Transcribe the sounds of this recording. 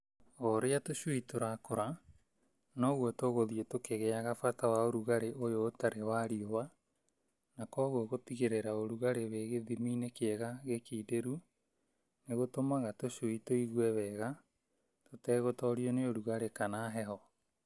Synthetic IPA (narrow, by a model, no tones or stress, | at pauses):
oɾeatoʃwitoɾakoɾa | nɔɣwɔtoɣoðietokeɣeaɣafatawaoɾuɣaɾeʔojoːtaɾewaɾiowa | nakɔɣwɔɣotiɣeɾeɾaoɾuɣaɾeβeɣeðiminekeɛɣaɣekiːdeɾu | neɣotomaɣatoʃwitoiɣwɛβɛɣa | totɛːɣotɔoɾioneoɾuɣaɾekanaɦɛɦɔ